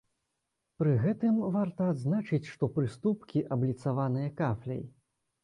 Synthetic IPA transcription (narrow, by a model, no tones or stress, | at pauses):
pɾɨɣɛt̪ɨmvart̪ɐːd̪znat͡ʂɨt͡sʲʂt̪ɔpɾɨst̪upkʲiʔɐblʲit̪savanɨjɐkaflʲɐ̰j